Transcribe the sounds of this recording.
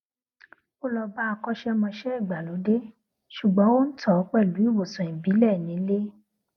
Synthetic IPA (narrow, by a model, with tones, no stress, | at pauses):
o˦lɔ˧ba˦a˧kɔ˦ʃɛ˦mɔ̃˧ʃɛ˦i˦˨ɡ͡ba˨lo˨˦de˦ | ʃu˨ɡ͡bɔ̃˨˦wo˦n̩˦tʰɔ˦˨˦k͡pɛ˦˨lu˨˦i˦˨wo˨sɔ̃˨ĩ˨bi˨˦lɛ˦˨nĩ˨˦le˦